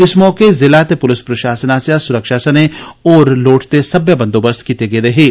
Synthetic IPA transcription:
ɪsmɔːkezɪlaːt̪epʊlɪspɾɐʃaːsənaːsjasʊɾəkʃaːsɐneɔːɾloːʈʰt̪esɐbjəbɐ̃nd̪oːbɐst̪ʰkiːt̪eɡeɾɐɦeː

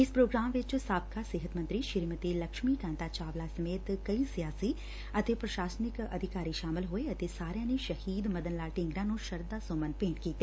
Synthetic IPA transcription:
ɪspɾoːɡɾaːmʋɪt͡ʃsaːb̚kasɪɦət̪mɐ̃nt̪ɾiʃɪɾmət̪ilɐkʃmikãːnt̪at͡ʃaːʋlasɐmeːt̪kɐisijaːsi | ɐt̪epɾɐʃaːsnɪkɐ̰d̪ʱɪkaːɾiʃaːmɪlɦoeɐt̪esaːɾjãːneʃɐhiːd̪mɐd̪ənlaːʈɪ̃ŋɡɾãnũʃɐɾd̪asoːmənpẽːɳʈkiːt̪ːeː

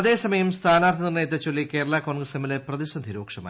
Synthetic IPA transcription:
ɐðe̞ːsɐmɐjɐmst̪ʰaːnaːrt̪ʰinirnɐjɐt̪̬ːɐt͡ɕːolːike̞ːɾɐɭako̞ːɳɡrɐsemːɐleprɐðisɐnd̪ʱiɾoːkʂɐma̰ː

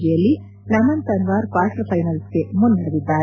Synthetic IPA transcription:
d͡ʒɛjɐlːi | nɐmɐnt̪ɐnʋaːɾkʋaːʈɾɐpʰɐjnɐlske̞mund̪ɐɽɐʋid̪ːaːɾ

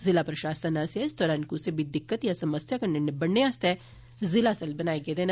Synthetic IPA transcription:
zɪlapɾɐʃaːsənasaɪsd̪ɔːɾaːnkusebʱid̪ɪkːət̪jasɐməsjakɐɾnenebɐɽnːeaːst̪ɛ | zɪlasɐlbɐnaːeɡɐed̪eːn

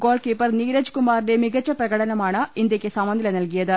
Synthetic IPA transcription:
ɡo̞ːlkiːpːɐrniːɾɐd͡ʑkumaːɾide̞miɡɐt͡ɕːɐprɐɣɐɽɐnɐmaːɳɨind̪jɐkʲːɨsɐmɐnd̪ilɐnɐlk̬ijɐðɨ

